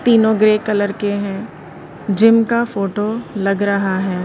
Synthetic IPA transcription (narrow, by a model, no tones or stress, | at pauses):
t̪iːnõɡɾeːkɐləɾkeɦɛ̃ | d͡ʒɪmkafoːʈolɐɡɾɐɦaɦɛː